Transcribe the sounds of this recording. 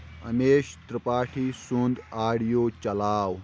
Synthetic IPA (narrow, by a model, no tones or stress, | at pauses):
ɐ̰meːɕt̪ɾɐpaːʈʰiːsund̪aːɽjoːt͡ɕɐlaːw